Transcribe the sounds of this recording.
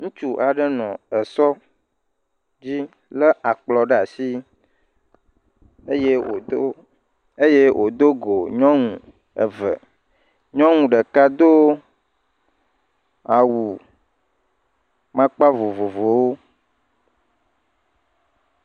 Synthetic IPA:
ŋũ˦t͡ʃu˦ʔa˨ɖə˦nɔ̰̃˨ə˨sɔ˦ | d͡ʑi˦ | lə˦ʔa˨k͡plɔ˨ɖə˦a˨si˦ | e˦je˦o˨˦ | e˦je˦wʔo˨d̪o˦ɡo˨ɲɔ̃˦ŋũ˨ | ə˨və̰˨ | ɲɔ̃˦ŋũ˨ɖə˨ka˦d̪o˦ | a˨wu˨ | mã˦k͡pa˦vo˨vo˨vo˨wo˦

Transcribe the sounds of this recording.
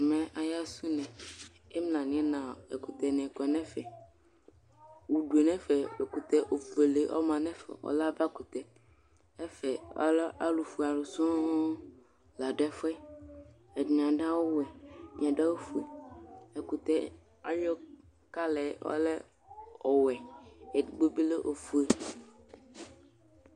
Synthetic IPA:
mɛ̃˨a˨ja˦su˦nɛ̃˨ | ɛ˦mlã˨nĩ˨˦ɛ˦nã˨e˨ku˨t̪ɛ˨nɛ̃˨kɔ˨nɛ̃˦fɛ˨ | wu˨ɖu˨e˨nɛ̃˦fɛ˨e˨ku˨t̪ɛ˦ʔo˨ve˨le˨ʔɔ̰˦mã˨nɛ̃˦fɛ̰˨wɔ̰˦la˦va˦ku˨t̪ɛ˨ | ɛ˦fɛ˨ɔ̰˦la˦lu˨fu˨a˨lu˨sɔ̃˦ | la˨ɖɛ˦fɛ˦ | e˨di˨n˨ã˨ɖã˦wo˦wɛ˨ɲ˨ã˨ɖe˦wo˦fu˨e˨e˨ku˨t̪ɛ˦ | a̰˦jɔ˦ | ka˦lɛ˨ɔ̰˦lɛ˦ | ɔ˨wɛ˨e˨dɡ͡bo˦bi˦le˦ʔo˨fu˨e˨

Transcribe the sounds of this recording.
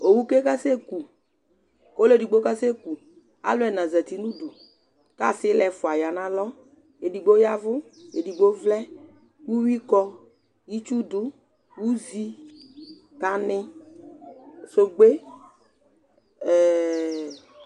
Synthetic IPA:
o˨wu˦ke˦ka˦se˦ku˨ | ko˦le˦˨di˨ɡ͡bo˦ka˦se˦ku˨ | a̰˦lʊ˦ɛ˨nã˨za˨ti˨nũ˦du˨ | ka˦˨sɪ˦lɛ˨fʊ˨a˨ja˨nã˦lɔ˦ | e˨di˨ɡ͡bo˦ja˦vʊ˦e˨di˨ɡ͡bo˦vlɛ˦ | wu˦wi˦kɔ˦ | ji˦t͡ʃu˦dʊ˦ | wu˦zi˦ | ka˨nɪ˦ | so˦ɡ͡be˦ | ɛ˨

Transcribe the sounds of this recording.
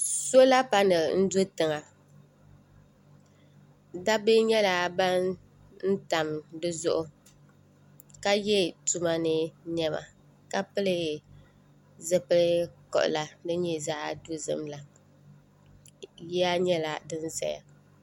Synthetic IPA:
so˦la˦pa˦nɨ˨n̩˦do˦tɨ˨ŋa˨ | da˦bɨ˦ɲɛ˦la˨ba˦n | n̩˦ta˨mdɨ˦zʊ˦ʔʊ˨ | ka˦jɛ˦tu˦ma˦nɨ˦ɲɛ˦ma̰˨ | ka˦pɨ˦lɨ˨ | zɨ˦pɨ˦lɨ˦kɔ̰˨ʔʊ̰˨la˨nɨ˦ɲɛ˦zaː˦do˦zɨ̰˦mla˨ | jɛ˦a˦ɲɛ˦la˦dɨ˦n˦za̰˨ja̰˨

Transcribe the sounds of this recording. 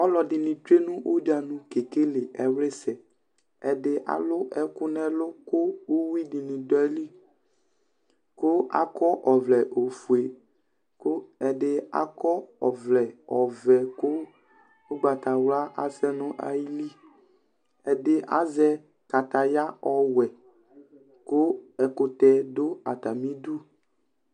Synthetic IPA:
ɔ˦lɔ˨dɪ˨nĩ˨t̪ɾe˦nũ˦ʔo˦d͡ʒa˨nũ˦ke˨ke˦le˨ʔɛ˨wle˦sɛ˨ | ɛ˨dɪ˦ʔa̰˨lʊ˦ʔɛ˦kʊ˦nɛ˦lʊ˦kʊ˦o˦wi˦di˨nĩ˨dɔ˦ɛ˦li˦ | ko˦a̰˦kɔ˦ʔɔ˨vlɛ˨ʔo˨fu˨e˨ | kɛ˨dɪ˦a̰˦kɔ˦ɔ˨vlɛ˨ɔ˨vɛ˨kʊ˦ | o˦ɡ͡ba˨t̪a˨wla˦ʔa˨sɛ˦nʊ̃˦ʔa̰˨ji˦li˦ | ɛ˨dɪ˦ʔa̰˨zɛ˦ | ka˨t̪a˨ja˦ɔ˨wɛ˨ | kʊ˦ɛ˨kʊ˦t̪ɛ˦dʊ˦a˨t̪a˨mĩ˦du˦

